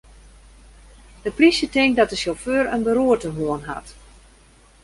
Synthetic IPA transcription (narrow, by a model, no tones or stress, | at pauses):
dəprisjətɪŋk̚dɔt̚dəsoføːrənbəruətəɦuənɦa̰t